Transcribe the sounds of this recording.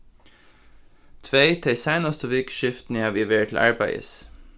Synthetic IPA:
t̪ʰʋeɪd̪ʰæɪsɑɪnɑst̪əʋɪkʃɪft̪n̩iːhɑːʋɪʋeːtʰl̩ʔɑ̰ɹbæɪə̰s

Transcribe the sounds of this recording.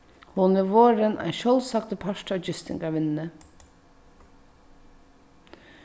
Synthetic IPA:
hʊniʋoːɾənʔæ̰ɪʃœlsɑk̚t̪pʰɑʃʈɑd͡ʒʏst̪ɪ̰ŋɡɑʋɪnnə

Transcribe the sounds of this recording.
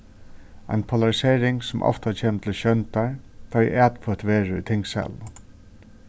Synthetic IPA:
a̰ɪnpʰolaɹɪseːɹɪŋsʊmʔɔ̰ft̪at͡ʃʰeːmt̪ʰɪlɕœnt̪aɹt̪ʰajʔæːt̪fʰɔːt̪ʋeːɹəʏ̰t̪ʰɪŋksɛ̰lʋ

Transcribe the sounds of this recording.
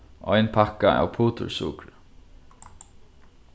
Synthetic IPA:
ʔɔjnpʰakːaa̰wpʰuːt̪ʊ̰ɹsṵkɾ

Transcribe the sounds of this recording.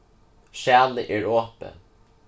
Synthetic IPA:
ʃæːləʔɛːɹoːpə̰n

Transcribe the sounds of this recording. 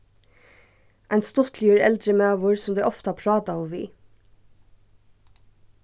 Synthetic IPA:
ʔæɪnst̪ɔt̪ʰljʉːɾɛ̰ld̪ɾəmeːɑːʋʊɹsɔmd̪ʉːʔɔft̪əɑːpʰɾɑːt̪ɑɔmʋḭː

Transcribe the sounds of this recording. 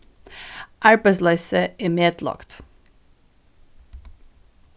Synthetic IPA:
ʔæɹbəslæɪsəeːmeːd̪̥lɑ̰kt̪

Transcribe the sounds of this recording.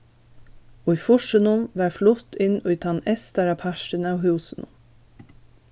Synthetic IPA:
oːifʊʃənʊmʋæːɾflʊt̪ɪno̰ːit̪ʰɑnɛst̪æɾɑpʰæʃʈənæohʉːsənʊ̰m

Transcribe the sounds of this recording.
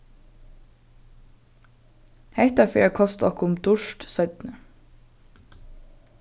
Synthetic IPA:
heht̪ɑfeːkʰɔst̪ɔ̰hkʊmd̪ʊʃt̪sœʏt̪nə

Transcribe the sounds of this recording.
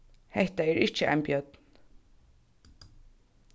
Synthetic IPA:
hɛht̪aæːɹʔɪt͡ʃːəʔæ̰ɪmbjœd̪̥n

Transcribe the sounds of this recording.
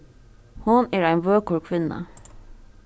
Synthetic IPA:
hʊnæːɾæɪnʋøːkuːɹkʰʋɪnə̰

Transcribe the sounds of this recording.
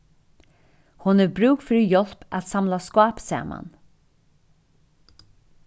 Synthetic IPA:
hʊnɛɾbɾʉːkfɪɾjɔl̥pæ̰t̪samlaskɑːpsæ̰ːma̰n

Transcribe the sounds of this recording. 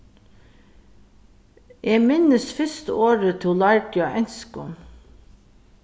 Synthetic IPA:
ʔeːmɪnəsfɪst̪ə̰oːɹət̪ʰʊlɑɹɡjɑʔɛnskʊn

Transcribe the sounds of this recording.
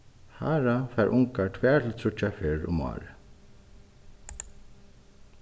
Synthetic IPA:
ha̰ːɾafɛːɹʔʊŋkaɹʈ̪ʰvɛːɹt̪ʰɪlt̪ʰɾʊt͡ʃafɪɹʊ̰mɑ̰ːɾɪ

